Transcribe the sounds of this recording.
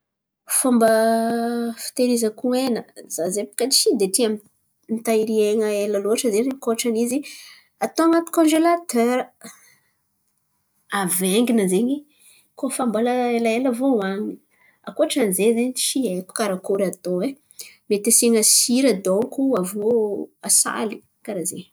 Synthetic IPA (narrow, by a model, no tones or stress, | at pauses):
fambə | fi̥t̪eɾizəkuenəzazepu̥kat͡ʃid̪etiami | nit̪aiɾieŋəeləloaʈ͡ʂəzezeɲikoaʈ͡ʂanizi | at̪oaŋat̪u̥kõnʒelat̪øɾə | aveŋɡinəzeɲi | kofamboləelaeləvowaɲi | a̰koaʈ͡ʂanzezeɲʃieku̥kaɾakoɾat̪oe | met̪eseŋəsiɾəd̪oŋkuavoasa̰li | kaɾaze